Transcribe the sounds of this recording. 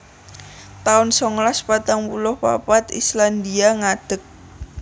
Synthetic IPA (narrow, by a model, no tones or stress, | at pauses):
t̪aʊnsɔŋlaspat̪aŋpulʊhpa̰pat̪ḭsland̪iaŋad̥ək̚